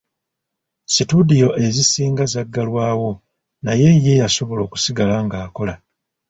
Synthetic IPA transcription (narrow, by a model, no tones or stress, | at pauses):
situdijo̞ʔe̞zisiːŋɡazaɡːalwaːwo̞ | naje̞je̞jaso̞βo̞lo̞ːku̥siɡalaŋɡaːko̞la